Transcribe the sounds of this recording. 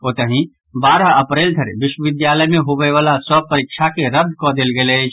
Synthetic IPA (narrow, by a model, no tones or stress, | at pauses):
oːt̪əɦĩ | baːɾəɐpɾeːld̪ʱəɾʋɪʃwəʋɪd̪jaːləjmẽɦoʋeʋaːlaswəpəɾɪkʃʰakeɾəd̪ʱkɔd̪elɡelet͡ʃ